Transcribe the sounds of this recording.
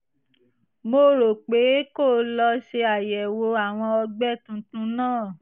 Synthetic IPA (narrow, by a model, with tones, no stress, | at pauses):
mo˧˦ɾo˨k͡pe˨˦ko˦˨lɔ˧ʃe˧a˨jɛ˨wo˧a˨w̃ɔ̃˧ɔ˧ɡ͡bɛ˦˨tũ˨˦tũ˧˦nãː˦˨